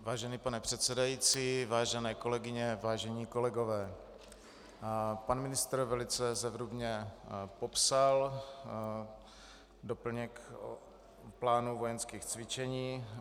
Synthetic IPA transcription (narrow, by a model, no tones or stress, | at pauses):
vaːʒɛniːpanɛpr̥ɛt̪sɛdajiːt͡siːvaːʒɛnɛːko̞lɛɡɪɲɛvaːʒɛɲiːko̞lɛɡovɛː | panmɪnɪst̪ɾvɛlɪt͡sɛzɛvɾubɲɛpopsal | dopl̩ɲɛk | plaːnuvojɛnskiːxt͡svɪt͡ʃɛɲiː